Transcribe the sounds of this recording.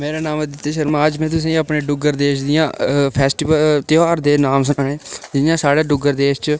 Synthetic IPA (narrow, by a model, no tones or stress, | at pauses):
meːɾaːnaːməd̪ɪt̪ːeːʃəɾmãːəd͡ʒmɛ̃ːt̪ʊs̬ẽːĩːəpnẽːɖʊɡəɾd̪eːʃd̪ɪjãːpʰɛːsʈiːʋəlt̪ɪaːɾd̪eːnaːmsənaːnẽːd͡ʒɪnjãːsaːɽeːɖʊɡəɾd̪eːʃt͡ʃ